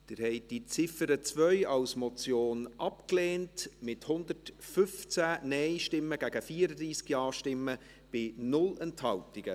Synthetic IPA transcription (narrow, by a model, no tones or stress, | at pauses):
d̥ɪɾhɛɪd̥it͡sɪfəɾət͡svœʏɑwsmɔt͡sjoːnʔɑpkleːntmɪthʊnd̪ətfʏft͡sænɛɪʃtɪmːəɡ̥æɡ̥əfiːəɾəd̪ɾiːskjɑːʃtɪmːə | b̥ɪnʊlɛnthɑltɪɡ̥ə